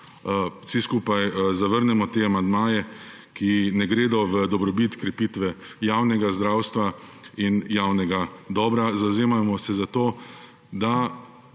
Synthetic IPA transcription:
siskuːpajzaʋəɾnɛmɔt̪eːamand̪maːjɛ | kinɛɡɾeːd̪ɔʋəd̪ɔbɾɔbit̪kɾɛpiːt̪ʋɛ | jaːwnɛɡazd̪ɾaːwst̪ʋainjaːwnɛɡad̪ɔːbɾazawzeːmamɔsɛzat̪oː | d̪a

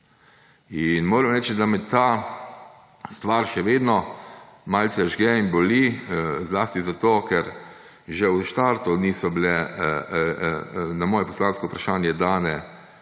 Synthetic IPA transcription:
inmoːɾəmɾɛːt͡ʃd̪amɛt̪a | st̪ʋaɾʃɛʋeːd̪nɔmaːlt̪sɛʒɡɛinbɔlizlaːst̪izat̪oːkɛɾ | ʒɛwʃt̪aɾt̪uniːsɔbilɛ | namɔːjɛpɔslaːnskɔupɾaʃaːnjɛd̪aːnɛ

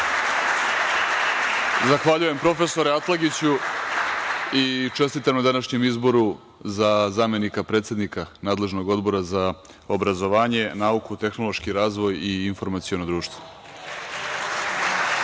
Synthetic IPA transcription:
zaxʋaʎuje̞mpɾo̞fe̞so̞ɾeat̪lˠaɡit͡ɕu | it͡ʃe̞st̪it̪amnad̪anaʃɲe̞mizbo̞ɾu | zazaːme̞nikapɾeːt̪sed̪nikanaːd̪le̞ʒno̞ɡo̞d̪bo̞ɾaza | o̞bɾazo̞ʋaːɲe̞naukut̪exno̞lˠoʃkiɾaːzʋo̞jiːnfo̞ɾmat̪sionod̪ɾuːʃt̪ʋo̥

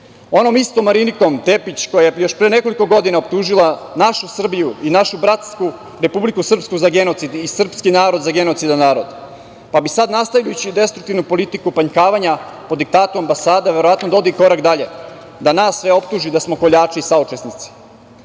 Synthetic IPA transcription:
o̞no̞mist̪omːaɾiniko̞mt̪e̞pit͡ɕko̞jajejo̞ʃpɾeːne̞ko̞liko̞ɡo̞d̪inaop̚t̪uːʒilˠanaʃusr̩bijuinaʃubɾat̪sku | ɾe̞publikusr̩pskuzaɡe̞not̪sid̪isr̩pskinaːɾo̞d̪zaɡe̞no̞t̪sid̪anaːɾo̞d̪ | pabisad̪nast̪avjʎajut͡ɕid̪e̞st̪ɾukt̪iʋnupo̞lit̪ikupaɲkaːʋaɲa | po̞d̪ik̚t̪aːt̪uambasaːd̪eʋe̞ɾoʋat̪nod̪o̞d̪iko̞ɾakd̪aʎe | d̪anaːsːʋe̞o̞p̚t̪uʒid̪asmo̞ko̞ʎaːt͡ʂiːsaut͡ʃesnit̪si̥

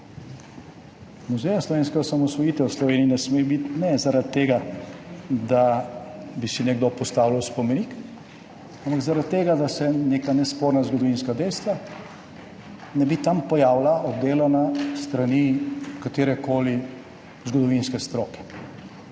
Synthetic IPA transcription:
nɔzɛnaslɔʋeːnskaɔsamɔsʋɔjiːt̪ɛwslɔʋeːniinɛsmebit̪nɛzaɾad̪̚t̪ːeːɡa | d̪a | bisinɛɡd̪opɔst̪aːwlawspɔmɛniːk | ampaɡzaɾat̪̚t̪ːeːɡad̪asɛneːkanɛspoːɾnazɡɔd̪ɔʋinskad̪ɛjst̪ʋa | nɛbit̪ampɔjaːwlaʔɔd̪d̪eːlanast̪ɾanikat̪eːɾɛkoːli | zɡɔd̪ɔʋinskɛst̪ɾoːkɛ̥

